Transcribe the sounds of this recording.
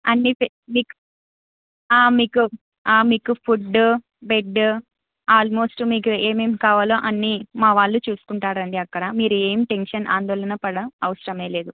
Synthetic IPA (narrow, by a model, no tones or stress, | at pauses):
ɐnːip | miːku̥ | aːmiːku | aːmiːkupʰuɖ | beɖː | aːlmo̞ːsʈmiːkueːmeːmkaːʋaːloːʔɐnːimaːʋaːɭːut͡ʃuːsu̥kuɳʈaːɾɐɳɖiɐkːɐɽɐmiːɾue̞ːmiʈe̞nʂɐnʔa̰ːnd̪ɔːlɐnɐpɐɽɐɐʋɐsɐɾɐme̞ːle̞ːd̪u